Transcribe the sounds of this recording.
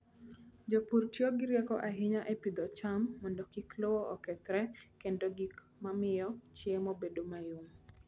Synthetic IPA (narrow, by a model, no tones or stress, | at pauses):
d͡ʒopuɾtjoɡɪɾjɛkɔʔaɦɪɲaʔepid̪ɔt͡ʃamːɔndɔkiklɔwɔʔɔkɛt̪ɾɛkendoɡik | mamɪjɔt͡ʃjɛmɔbedomajum